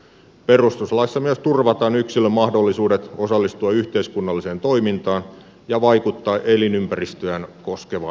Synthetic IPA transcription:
pe̞rust̪uslɑisːɑmyøst̪urʋɑt̪ɑːnyksilːømɑhdolːisuːdet̪osɑlːist̪uɑyçt̪eiskunːɑlːiseːnt̪o̞imint̪ɑːn | jɑʋɑikut̪ːɑːʔelinympærist̪øænko̞skeʋɑ

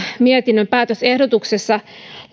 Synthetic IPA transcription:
miet̪inːømpæːt̪øse̞hdot̪uksesːɑ

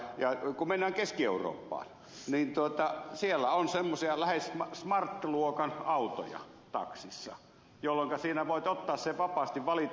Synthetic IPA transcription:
jɑkumenːæːŋkeskieˑuro̰ːpːɑ̰ːn | niːnt̪uot̪ɑsielːæonsemːosiɑlæhesmɑsmɑrt̪ːluokɑnɑˑut̪o̰jɑ̰ | t̪ɑ̰ksisːɑ̰ | jolːoŋkɑsiːnæʋoˑet̪ot̪ːɑːsseʋɑpɑːst̪iʋʋɑlit̪

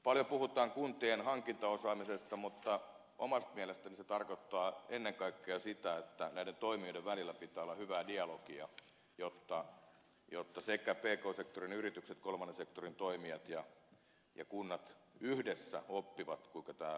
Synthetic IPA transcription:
pɑljopuhut̪ˑɑːŋkunt̪ienhɑŋkint̪ɑosɑːmisest̪ɑmut̪ːɑ | ʔomɑst̪̚miælest̪æniset̪ɑrkot̪ːɑːenːeŋkɑikːeɑsit̪æet̪ːænæident̪oimioideʋʋælilːæpit̪ːˑæːolːɑhyʋæːdiɑlokiɑ̰ | jot̪ːɑ | jot̪ːɑsekæpeːkoːsekt̪orinyrit̪ykset̪kolmɑnːesekt̪orint̪oimiɑt̪jɑ | jɑ̰kunːɑt̪yhdesːæ̰opːiʋɑt̪kuiŋkɑt̪æː

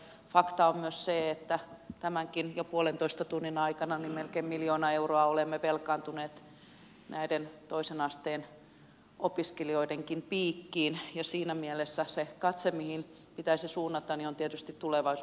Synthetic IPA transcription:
fɑkt̪ɑommyøsseːet̪ːæt̪æmæŋkinjopuolent̪oist̪ɑt̪unːinɑikɑnɑnimmelkeːmmiljoːnɑeuroɑolemːeʋelkɑːnt̪uneːt̪ | næident̪oisenɑst̪eːn | ʔopiskelioideŋkimpiːkːiːnjɑsiːnæmielesːæsekɑt̪semihin | pit̪æisisuːnːɑt̪ɑniont̪iet̪yst̪it̪t̪uleʋɑis

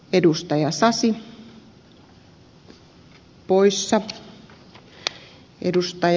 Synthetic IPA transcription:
edust̪ɑjɑsɑsi | poisːɑ | ḛdust̪ɑj

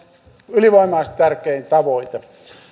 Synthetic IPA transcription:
yliʋoimɑˑːst̪ærkˑeint̪ɑʋoit̪e

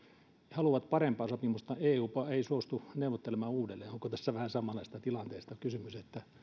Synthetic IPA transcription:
hɑluʋɑt̪pɑrempɑːsopimust̪ɑeːuːpɑˑeisuost̪uneuʋot̪ːelemɑːuːdelːeːoŋkot̪æsːæʋæhæsɑmɑlɑist̪ɑt̪ilɑnt̪eˑːst̪ɑkysymyset̪ːæ

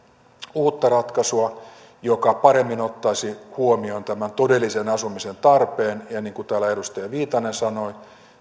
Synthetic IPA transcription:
uːt̪ːɑrɑt̪kɑsuɑ | jokɑpɑɾe̞mːino̞t̪ːɑisihuomio̞nt̪æmænt̪o̞de̞lːisenɑsumise̞nt̪ɑrpe̞ːnjɑniːŋkut̪æːlæedust̪ɑjɑʋiːt̪ɑnensɑnoi

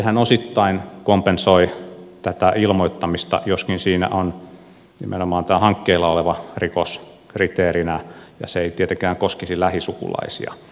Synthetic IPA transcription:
ehænosit̪ːɑinkompensoit̪æt̪æilmoit̪ːɑmist̪ɑ̰joskinsiːnæ̰ʔon | nḭmʔenomɑːnt̪æːhɑŋkːeilːɑoleʋɑrikos | krit̪eːrinæjɑ̰seeit̪iet̪eŋkæːŋkoskisilæhisukṵlɑ̰isḭɑ̰

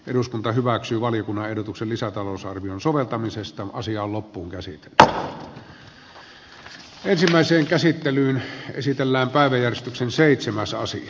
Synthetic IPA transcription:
ʔeɾuskunt̪ɑhyʋæksyːʋɑlijokunːɑʔehdot̪uksellisæt̪ɑloˑsɑrʋionsoʋelt̪ɑmisest̪ɑʔɑ̰siɑːllopːuːŋkæsḭt̪e̥lːˑ | ensimːæˑeseːŋkæsit̪ːelyːnḛsit̪elːæːmpæˑeʋæjjærjest̪yksenseˑit̪semæsɑ̰sḭɑ

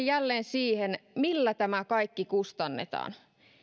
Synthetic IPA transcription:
jjælːeːnsiːhenmilːæt̪æmækɑikːikust̪ɑnːḛt̪ɑ̰ːn

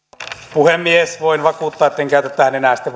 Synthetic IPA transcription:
puhemːiesʋoinʋɑkuːˑt̪ːɑːet̪ːeŋkæˑyt̪et̪ːæhænenæˑsi̥t̪ːe

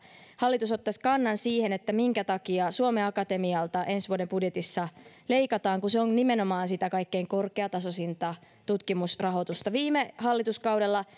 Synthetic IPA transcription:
hɑlːit̪usot̪ːɑsʲkɑnːɑnsiːhenet̪ːæmiŋkæt̪ɑkiɑsuomeɑkɑt̪emiɑlt̪ɑʔe̞nsʋuodembudjet̪isːɑ | leikɑt̪ɑːŋkuseonnimenomɑːnsit̪ækɑikːeiŋko̞rkeɑt̪ɑsosint̪ɑ | t̪ut̪kimusrɑɦot̪ust̪ɑʋiːmehɑlːit̪uskɑwdelːɑ

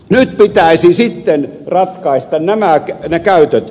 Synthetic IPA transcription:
nyt̪pit̪æˑisisit̪ːen | rɑt̪kɑist̪ɑnnæmæknekæyt̪øt̪

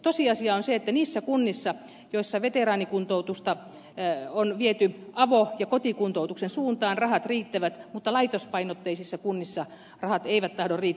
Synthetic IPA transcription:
t̪osiɑsiɑonseet̪ːæniːsːækunːisːɑ | joisːɑʋet̪erɑːnikunt̪out̪ust̪ɑ | onʋiet̪yɑʋojɑkot̪ikunt̪out̪uksensuːnt̪ɑːnrɑhɑt̪riːt̪ːæʋæt̪mut̪ːɑlɑit̪ospɑinot̪ːeisisːɑkunːisːɑ | rɑhɑt̪eiʋæt̪t̪ːɑhdorriːt̪ː

